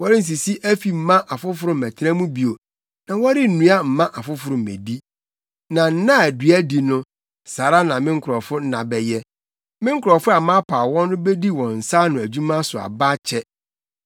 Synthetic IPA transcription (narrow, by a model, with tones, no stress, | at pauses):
wɔ˦ɾɪ˦n̩˨s̬i˨si˦ʔæ˦fi˨m̩˨mã˦ʔa˨fʊ˦fʊ˨ɾʊ̃˨mɛ˨tʰɛ̃˦mũ˦bi˨o˨ | nã˨wɔ˦ɾɪ˦n̩˨nũ˨˦a˦m̩˨mã˦ʔa˨fʊ˦fʊ˨ɾʊ̃˨mḛ˨di˦ | nã˨n̩˦nã˦æ˨dɥæ˦di˨nʊ̃˦ | saː˨ɾa˦nã˨mɪ̃˦ŋ̩˦kʰʊ˨ɾɔ˨fʊ˦n̩˦nã˨bɛ˨jɛ˦ | mɪ̃˦ŋ̩˦kʰʊ˨ɾɔ˨fʊ˦a˨mã˦pʰaː˨wɔ̃˦nːʊ̃˦be˦di˦wɔ̃˨n̩˨sa˦nʊ̃˨æ˨d͡ʑu˦mã˦sʊ˨a̰˨ba˦t͡ɕʰɛ˦